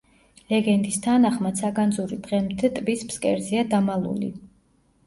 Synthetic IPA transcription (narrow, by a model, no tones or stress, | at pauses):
lɛɡɛnd̪ist̪ʰanaχmasʰaɡand̪zuɾid̪̥ʁɛmd̪ʰɛt̪ʼbispskʼɛ̰ɾziad̪amalˠṵlḭ